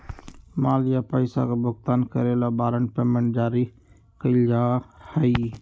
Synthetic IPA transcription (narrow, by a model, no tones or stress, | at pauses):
maːljapəɪsa̰kebʊkt̪aːnkəɾelabaːɾəɳpeːmẽɳʈ̚d͡ʒaːɾi | kəd͡ʒaːhəi